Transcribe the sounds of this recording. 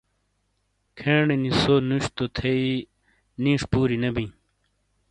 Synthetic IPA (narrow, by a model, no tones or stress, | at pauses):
kʰeːɳenisoːnuɕt̪ot̪ʰei | nĩːʂpuːɾinɐbĩ